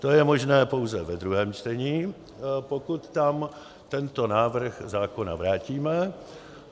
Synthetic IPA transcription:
t̪o̞jɛmo̞ʒnɛːpo̞wzɛvɛd̪ɾuɦɛːmt͡ʃt̪ɛɲiː | po̞kut̪ːam | t̪ɛnt̪o̞naːvr̩xzaːko̞na̰vɾaːciːmɛ

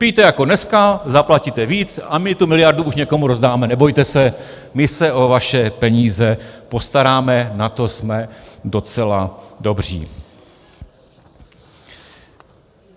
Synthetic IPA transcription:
pijt̪ɛjako̞nɛskazaplacit̪ɛviːt͡samɪt̪umɪlɪjaɾduuʃɲɛko̞muɾozdaːmɛnɛbo̞jt̪ɛsɛ | mɪsɛʔo̞vaʃɛpɛɲiːzɛpo̞st̪aɾaːmɛnat̪o̞smɛdo̞t͡sɛlado̞br̝ḭː

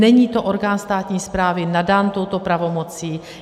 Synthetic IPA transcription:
nɛɲiːt̪o̞ʔoɾɡaːnst̪aːt̪ɲiːspɾaːvɪnadaːnt̪o̞wt̪o̞pɾavo̞mo̞t͡siː

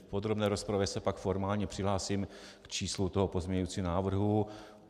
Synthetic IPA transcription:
pod̪ɾo̞bnɛːɾospɾavjɛsɛpakfo̞ɾmaːlɲɛpr̥ɪɦlaːsimkt͡ʃiːslut̪oɦopo̞zmɲɛɲʊut͡sinaːvr̩ɦu

